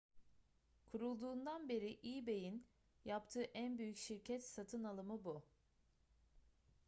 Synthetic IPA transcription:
kʰuɾulˠd̪uːnd̪anbe̞ɾiʔiːbe̞jin | japt̪ʰɯːʔænbyjycʃiɾcʰɛt̪sat̪ʰɯnalˠɯmɯbu

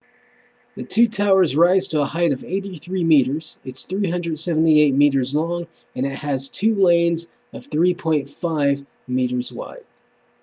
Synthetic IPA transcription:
ðɨtʰʉtʰaʊə˞zɹaɪz̥tʰəəhaɪɾʌveɪɾiθɹimiɾə˞z̥ɨtsθɹiɦʌ̃ndɹɨd̥sɛvn̩tieɪt̚miɾə˞zlɔ̃ŋ | ɨ̃nɨt̚hɨz̥tʰʉlẽɪ̃nz | ʌv̥θɹipʰɔ̃ɪ̃ntfaɪv | miɾə˞zwa̰ɪd̥̚

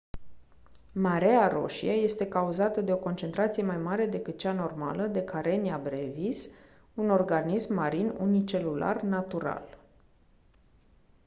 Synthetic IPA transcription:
maɾeaɾo̞̰ʃḭaje̞st̪e̞kauzat̪əd̪e̞o̞ko̞nt͡ʃe̞nt̪ɾat̪sije̞majmaɾe̞d̪e̞kɨt̪̚t͡ʃano̞rma̰ləd̪e̞kʰaɾe̞niabɾevis | uno̞rɡanismːaɾinṵnit͡ʃe̞lula̰rnat̪uɾa̰l

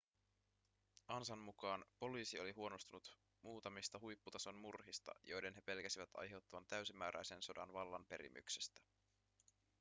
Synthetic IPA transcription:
ʔɑnsɑmmːukɑːnpo̞liːsio̞liɦuo̞no̞st̪unut̪ | muːt̪ɑmist̪ɑɦujpːut̪ɑso̞jnmurɦist̪ɑ̰jo̞jde̞nɦe̞pe̞lkæsiʋæt̪ʰɑ̰jɦe̞wt̪ːɑʋɑnt̪æysimæːɾæ̰jse̞nso̞dɑ̰nʋɑlːɑnpe̞ɾḭmʔy̰kse̥st̪æ̥

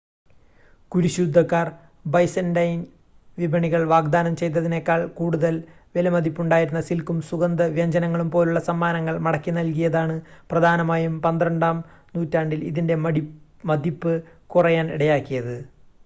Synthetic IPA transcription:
kuɾuɕud̪ʱːɐkːaːr | bɐjsɐndɐjn | ʋibʱɐɳiɣɐɭʋaːɡd̪aːnɐmt͡ɕe̞jt̪̬ːɐðine̞kːaːɭkuːɽuðɐlʋelɐmɐd̪ʱipːuɳɖaːjiɾunːɐsilkumsuɣɐnd̪ɐʋjɐɲd͡ʑɐnɐŋːɐɭumpo̞ːluɭːɐsɐmːaːnɐŋːɐɭmɐɽɐkːinɐlk̬ijɐðaːɳɨprɐd̪ʱaːnɐmaːjumpɐnd̪rɐɳɖaːm | nuːtːaːɳɖiliðinde̞mɐɽi | mɐd̪ʱipːɨkurɐjaːnḭɽɐjaːkːijɐðɨ

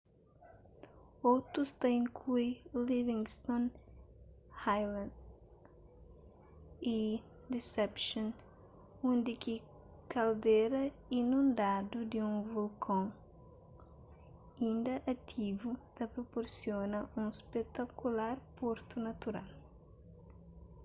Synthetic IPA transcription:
owt̪ɾust̪ɐĩŋkʰluilivĩŋst̪õn | hajlãn | i | d̪esɛpʃõn | ũnd̪iki | kald̪eɾɐ | inũnd̪ad̪ud̪iũvulkʰõŋ | ĩnd̪ɐʔɐt̪ʰivut̪ɐpɾopoɾsjonɐũspet̪akulaɾpoɾt̪unat̪uɾa̰l

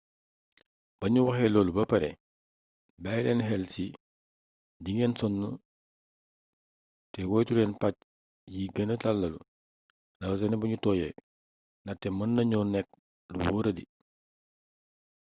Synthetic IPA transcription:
b̥ɐɲuwɐxɛlɔːlubɐpɐɾɛ̰ | bajlɛːnɦɛlsi | diŋɛːnsɔnːu | tɛwɔːjtulɛːnpac̚ | jiɡɐnətalːɐlu | nɐws̬ɛnɛbɐɲutɔːjɛ̰ | nɐtːɛmɐnːɐɲɔːnɛk̚ | luwɔːɾɐdḭ

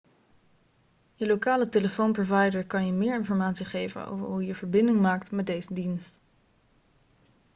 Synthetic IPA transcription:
jəlokaːləteləfownprovɑjdəɹkɑnjəmɪːɹɪnfɔɹmaːtsiχejvə̰nʔo̰wvə̰ɹɦujəvəɹbɪndɪŋmaːktmɛdejzədinst

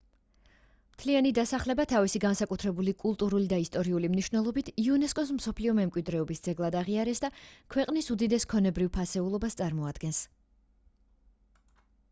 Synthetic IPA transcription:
mt̪ʰlianid̪asaχlɛbat̪ʰavisiɡansakʼut̪ʰɾɛbulikʼulˠt̪ʼuɾulid̪aist̪ʼɔɾiulimniʃvnɛlˠɔbit̪ʰiunɛskʼɔs̬m̩sɔpʰliɔmɛmkʼwid̪ɾɛɔbisd̪zɛɡlˠad̪aʁiaɾɛsd̪akʰwɛqʼnisud̪id̪ɛskʰɔnɛbɾivpʰasɛulˠɔbast̪sʼaɾmɔad̪̥ɡɛns

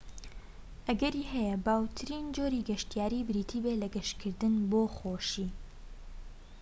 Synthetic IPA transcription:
ʔɐɡɐɾiːɦɛjɐbaːwt̪ʰɨɾiːnd͡ʒoːɾiːɡɐʃt̪ijaːɾiːbɨɾiːt̪ʰiːbelɐɡɐʃkʰɨɾd̪ɨnboːxoːʃiː

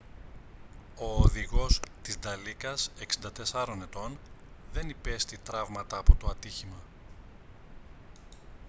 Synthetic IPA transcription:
o̞ːðiɣo̞st̪izd̪ɐlikɐse̞ksind̪ɐt̪e̞sɐɾo̞ne̞t̪o̞nðe̞nipe̞st̪it̪ɾɐvmɐt̪ɐːpo̞t̪oɐt̪içimɐ

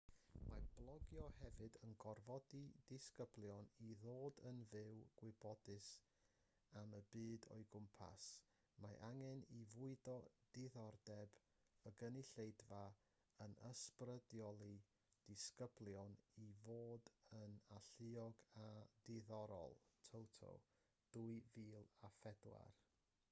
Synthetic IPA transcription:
mablˠɔɡjɔhɛvɨdənɡɔrvɔdidɪskəblˠjɔniðoːdənvɪwɡ̥wɪbɔdɨs | aməbɨːdɔ̰ɨjɡʊmpʰa̰s | maʔaŋɛnivʊɨdɔd̥ɪðɔrdɛb | əɡəniɬejdva | ənəsprədjɔlˠi | d̥ɪskəblˠjɔnivoːdənaɬɨɔɡadɪðɔɾɔ̰lˠtʰowtʰo̰ | d̥uɨviːlˠafɛdwa̰r

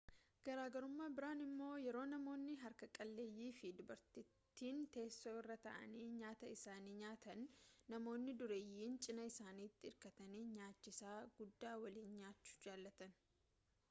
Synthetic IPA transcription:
ɡ̥ɐɾaːɡɐɾʊmːaːbɪɾaːnɪmːo̞ːjɛɾo̞ːnɐmo̞ːnːɪɦɐɾkɐkʼɐlːeːjːiːfɪd̪ʊbɐɾt̪ɪt̪ːiːnt̪e̞ːsːoːɪrːɐt̪ɐ̰ʔɐ̰niːɲaːt̪ɐɪsaːniːɲaːt̪ɐnːɐmo̞ːnːɪd̪ʊɾeːjːiːnt͡ʃʼɪnɐɪsaːniːt̪ːɪɪɾkɐt̪ɐniːɲaːt͡ʃːɪsaːɡ̥ʊd̪ːaːwɐliːnɲaːt͡ʃːʊ̥d͡ʒaːlːɐt̪ɐn

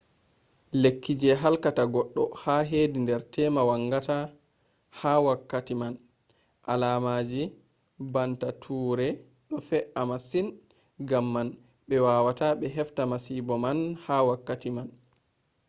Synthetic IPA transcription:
lekːid͡ʒɛɦalkataɡɔɗːɔ̰haɦeːdindɛɾtʰɛmawaŋɡata | hawakːatiman | ʔa̰laːmaːd͡ʒi | bantatʰuːɾɛ | ɗɔfɛʔamasin | ɡamːan | ɓɛwaːwataɓɛɦɛftamasibɔmanhawakːatiman

